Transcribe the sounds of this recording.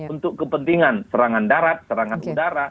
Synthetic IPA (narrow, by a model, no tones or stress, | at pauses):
unt̪ʊkːəpənt̪iŋansəɾaŋandaɾat̪̚səɾaŋanudaɾa